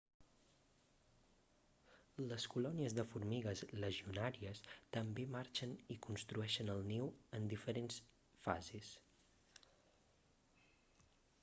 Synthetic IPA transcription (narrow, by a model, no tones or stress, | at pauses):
ləskulɔniəzðəfuɾmiɣəzləʒiunaɾiəst̪əmbemaɾt͡ʃənikunst̪ɾuɛʃənəlˠnewənd̪ifəɾens | fa̰zes